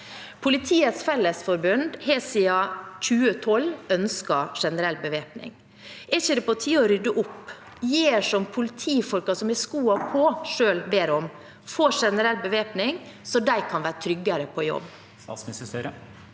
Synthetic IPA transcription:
pʰʊlɪt̪ʰiːət̪sfɛlːəsfɔɾbʉnd̪hɛːsiːɑc͡çʉːət̪ʰɔlœnskɑʂɛnəɾɛlbəʋeːpnɪ̰ŋ | ʔɛçəd̪ɛpɔt̪ʰiːɔɾʏd̪əʔʊpː | jeːʂɔmpʰʊlɪt̪ʰiːfɔlkɑsɔmɪskuːɑpʰɔʂøːlbeːɾɔm | foːʂɛnəɾɛlbəʋeːpnɪŋ | sɔd̪æɪkʰɑnʋæːɾət̪ʰɾʏɡːɑɾəpʰɔjɔ̰bː | əsɾə

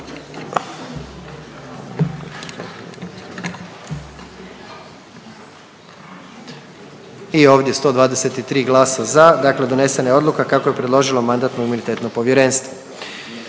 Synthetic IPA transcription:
io̞ːʋd̪je̞st̪o̞ːd̪ʋaːd̪eset̪it̪ɾiːɡlˠaːsazad̪akle̞d̪o̞ne̞se̞naeo̞d̪lukakakoje̞pɾe̞d̪lo̞ʒilomand̪aːt̪noimunit̪et̪nopo̞ʋjeɾe̞nst̪ʋo

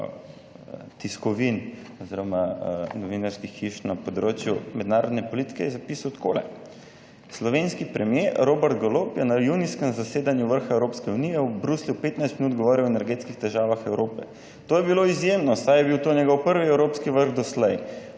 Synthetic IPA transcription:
t̪iskɔʋinɔziɾɔmanɔʋinaɾskixːiʃnapɔd̪ɾoːt͡ʃjumɛd̪naːɾɔd̪nɛpɔlit̪i̥kɛjɛzapiːsawt̪kʰoːlɛ̰ | slɔʋenskipɾɛmjeɾoːbɛɾt̪ɡolopjɛnajuniskɛmzaseːd̪anjuʋəɾxaɛwɾoːpskɛunijɛubɾuslʲupeːt̪najst̪minuːt̪̚ɡɔʋɔːɾiwɛnɛɾɡeːt̪skixt̪ɛʒaːʋaxɛwɾoːpɛ̰ | t̪oːjɛbiloizjemnɔsajɛbiwt̪onʲjɛɡɔwpəɾʋiɛwɾoːpskiʋəɾxd̪ɔslɛj

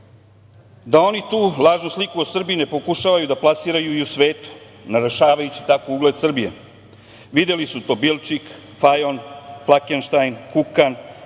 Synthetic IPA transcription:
d̪ao̞nit̪uːlˠaːʒnuslikuo̞sr̩biine̞pokuʃaːʋajud̪aplˠasiːɾajuiusʋe̞ːt̪u̥ | naɾoʃaːʋajut͡ɕi̥t̪akouɡle̞d̪sr̩bijḛ | ʋid̪e̞lisut̪o̞ːbilt͡ʃik | fajonflˠakenʃt̪ajnkukan

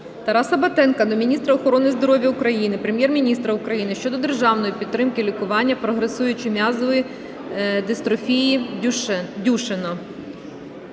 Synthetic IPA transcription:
t̪ɐɾɑsɐbɐt̪ɛnkɐd̪ɔmʲinʲist̪ɾɐɔxɔɾɔnɪzd̪ɔɾɔʋʲjɐukɾɐjinɪpɾemjɛrmʲinʲist̪ɾɐukɾɐjinɪʃt͡ʃɔd̪ɔd̪erʒɑwnɔjipʲid̪t̪ːɾɪmkɪlʲikʊʋɑnʲːɐpɾɔɦɾesujʊt͡ʃɪmʲɑzɔʋji | d̪est̪ɾɔfʲiji | dʲuʃenɔ

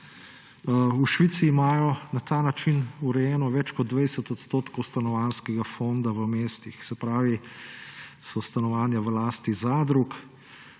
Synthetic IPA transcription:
uʃʋit̪siːmaːjɔnat̪anat͡ʃinuɾɛjɛːnɔʋɛt͡ʃkɔd̪̚d̪ːʋɛɪsɛt̪ɔt̪st̪oːt̪kowst̪anɔʋanskɛɡafond̪aʋəmeːst̪ixsɛpɾaːʋi | sɔst̪anɔʋaːnjaʋəlaːst̪izad̪ɾuk

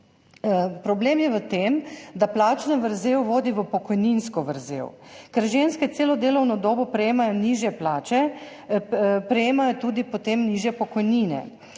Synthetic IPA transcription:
pɾɔbleːmjɛʋət̪emd̪aplaːt͡ʃnaʋəɾzewʋoːd̪iʋəpɔkɔjninskɔʋəɾzḛːw | kɛɾʒenskɛt̪seːlɔd̪eːlɔwnɔd̪oːbɔpɾɛjeːmajɔniʒjɛplaːt͡ʃɛ | pɾɛjeːmajɔt̪uːd̪ipot̪eːmniːʒjɛpɔkɔjniːnɛ̰

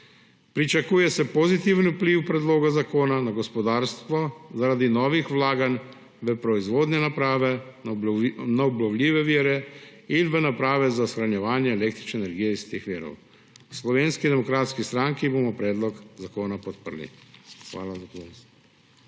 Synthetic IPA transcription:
pɾit͡ʃakuːjɛsɛpɔzit̪iːʋənupliwpɾɛd̪loːɡazakoːnanaɡɔspɔd̪aːɾst̪ʋɔzaɾad̪inɔːʋixwlaːɡan | ʋəpɾɔizʋoːd̪nɛnapɾaːʋɛ | naɔblɔwlʲiːʋɛʋiːɾɛinʋənapɾaːʋɛzasxɾanjɛʋaːnjɛːleːkt̪ɾi̥t͡ʃnɛːnɛɾɡijɛist̪eːxʋiːɾɔ̰w | slɔʋeːnskid̪ɛmɔkɾaːt̪skist̪ɾaŋkiboːmɔpɾɛːd̪lɔkzakoːnapɔt̪̚pəɾlḭxʋa̰ːlazakons

